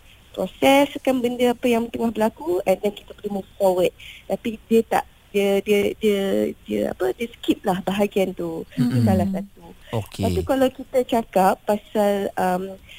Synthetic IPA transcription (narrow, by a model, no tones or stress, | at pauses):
pɾɔsɛskanbəndəapəjaŋmət̪əŋahbəlakuɛndɛnki̥t̪əpəlimuffowət̪̚t̪apidiət̪a̰ʔ | diədiədiədiə̰a̰pədiəsə̥kip̚lahbaɦaɡiant̪udisalasat̪uokpat̪ukalawkit̪at͡ʃakapːasaləm